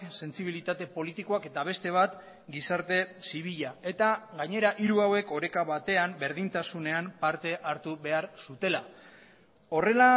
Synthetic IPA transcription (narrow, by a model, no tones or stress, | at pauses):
se̞nst͡siβ̞ilit̪at̪e̞po̞lit̪iko̞ake̞t̪aβ̞e̞st̪e̞β̞at̪ | ɡisaɾt̪e̞siβiʎae̞t̪aɣaɲe̞ɾaʔiɾuawe̞ko̞ɾe̞kaβat̪e̞ambe̞ɾðint̪asune̞ampaɾt̪e̞ʔaɾt̪uβe̞aɾsut̪e̞la | o̞re̞la